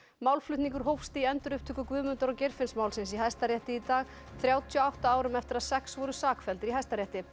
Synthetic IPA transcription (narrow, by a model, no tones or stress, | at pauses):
mawlflʏt̪niŋkʏɾ̥ɦowfst̪ɪiɛnt̪ʏɾʏhpt̪ʰʏːkʏkvʏːmʏnt̪aɾɔwcejɾfɪnsmawlsɪns̬iɦajst̪aɾjɛht̪ɪit̪aːɣ | θɾjaːwt̪ʰjiɔawht̪aaːwɾʏmɛft̪ɪɾaðsɛksvɔɾʏsaːkfɛlt̪ɪɾiɦajst̪aɾjɛht̪ɪ